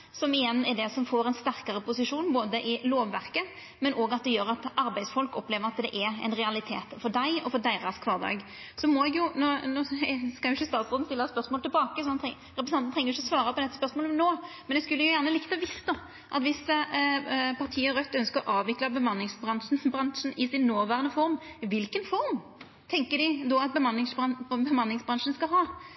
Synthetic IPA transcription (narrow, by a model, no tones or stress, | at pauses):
sɔmɪjɛnːɛd̪ɛsɔmfoːɾɛɪnst̪æʁkɑɾəpʊsɪʂuːnboːd̪əʔɪloːʋːæɾkə | mɛnʔoːɡɑt̪̚d̪ɛjøːɾɑt̪ɑɾbæɪsfɔlkɔpːleːʋəɾɑt̪d̪ɛ̰ʔɛɾɛ̰ɪnʁɛɑlɪt̪ʰḛːt̪fɔɖ̪æɪɔfɔɖ̪æɪɾɑskʰʋɑːd̪ɑ̰ːɡ | sɔmɔɛɡjʊnonoːskɑjʊɪçːəst̪ɑːt̪sʁoːd̪n̩sɪlːɑæɛt̪spœɾsmoːlt̪ɪlbɑːkəsɔmɑnt̪ | ɾɛpɾəsɑnn̩t̪ʰɛŋːəjʊɪçːɔsʋɑːɾəpʰɔd̪ɛt̪ːə̥spœɾsmoːlnoːmɛnɛskʉlːəjʊjæːʁnəlɪkt̪əʋɪsd̪ɔ | ʔɑ̰t̪ʋɪs | pʰɑʁt̪ʰiːəɾœt̪ːœnskəɾɔʔɑːʋʋɪklɑbəmɑnlɪŋsbʁɑnʂn̩bʁɑŋʂənɪsɪnːoːʋæːʁənəfɔɾmɪʋɪlkənfɔɾm | t̪ʰɛŋkəd̪ɪd̪ɔɑt̪̚bəmɑnlɪŋsɑbəmɑnlɪŋsbʁɑŋʂənskɑlɦɑː